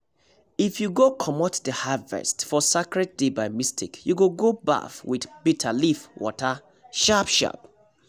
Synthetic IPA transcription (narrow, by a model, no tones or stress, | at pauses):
ifjuɡokʰɔmɔtdəhavɛ̰stfɔsakɹɛd̚debaɪmistʰikjuɡoɡoba̰fwidbitʰalifwʔɔ̰tʰə | ʃapʃa̰p